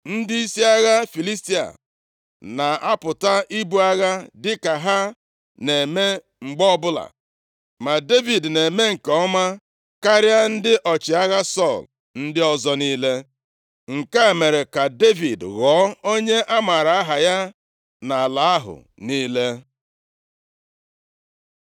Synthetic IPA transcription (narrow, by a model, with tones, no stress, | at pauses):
n̩˦dɪ˦i˦si˦a˦ɣa˦fi˨li˦sti˦a̰˨ | na˨a˦pʊ˨ta˦ʔi˦bu˦a˦ɣa˦dɪ˦ka˨ɦa˦ | ne˨me˦ | ŋ͡m̩˨ɡ͡bɔ˦bʊ˦la̰˨ | ma˨de˦vi˨dne˨me˦ŋ̩˨kɔ˦ma˦ | ka˦ɾja˦n̩˦dɪ˦ʔɔ˨t͡ʃɪ˨a˦ɣa˦sɔ˦˨l | n̩˦dɪ˦ɔ˦zɔ˨niː˦le˦ | ŋ̩˨ka˦e˨me˨ɾe˨ka˨de˦vi˨dɣɔ˨˦o˦ɲe˦ʔa˦ma˨ɾa˨a˦ɦa˨ja˦ | na˨a˨la˨a˦ɦʊ̰˨ | niː˦le˦